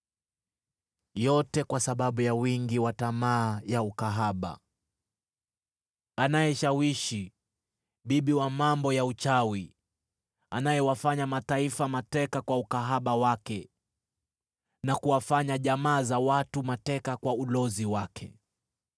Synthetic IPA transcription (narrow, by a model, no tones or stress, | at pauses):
jɔtɛkwasaɓaɓujawiŋɡiwatamaːjaukaɦaɓa̰ | anajɛʃawiʃi | ɓiɓiwamambɔjaut͡ʃawi | anajɛwafaɲamataifamatɛkakwaukaɦaɓawakɛ | nakuwafaɲaʄamaːzawatumatɛkakwaulɔziwakʰɛ̰